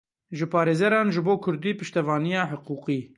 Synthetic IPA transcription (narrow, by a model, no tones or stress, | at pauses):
ʒɨpʰɑːɾeːzɛɾɑːnʒɨboːkʰʊɾd̪iːpɨʃt̪ɛvɑːnijɑːħəquːqiː